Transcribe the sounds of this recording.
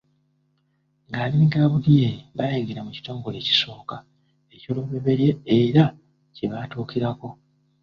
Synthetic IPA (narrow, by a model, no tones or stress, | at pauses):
ŋɡaːβiiɡaβuɾijeβajeːŋɡeɾamuci̥to̞ːŋɡo̞le̞ːci̥so̞ːka | e̞co̞ːluβe̞βe̞ɾje̞ːɾa | ceβatuːkiɾako̞